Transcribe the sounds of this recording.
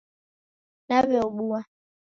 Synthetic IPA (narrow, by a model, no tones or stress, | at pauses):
naβɛɔɓua